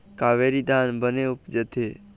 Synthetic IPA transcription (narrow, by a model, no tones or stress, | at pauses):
kaːʋeːɾiːd̪ʱaːnbəneʊpd͡ʒət̪ʰeː